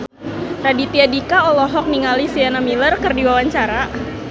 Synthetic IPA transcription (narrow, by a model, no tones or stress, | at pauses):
radit̪iadikaɔlɔɦɔk̚niŋalisianamilərkərdiwawaɲt͡ʃaɾa